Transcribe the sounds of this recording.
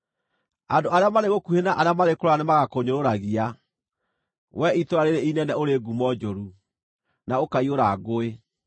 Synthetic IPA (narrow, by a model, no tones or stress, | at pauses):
andoaɾeamaɾeɣokuhenaʔaɾeamaɾekoɾoanemaɣakoɲoɾoɾaɣia | wɛitoɾaɾeɾeinɛnɛoɾeɡumɔd͡ʒoɾu | naokaioɾaɣoe